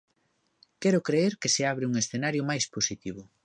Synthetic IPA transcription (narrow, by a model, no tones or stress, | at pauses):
kɛɾʊkɾeeɾkɪseaβ̞ɾɪuŋesθenaɾjomajsposit̪iβʊ